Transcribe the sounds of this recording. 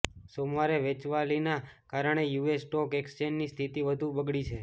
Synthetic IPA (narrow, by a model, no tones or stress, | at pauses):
somaɾeʋet͡ʃʋalinakaɾəɳ̃ejuesʈɔkekst͡ʃennist̪ʰit̪iʋəd̪ʱũbəɡɭit͡ʃʰe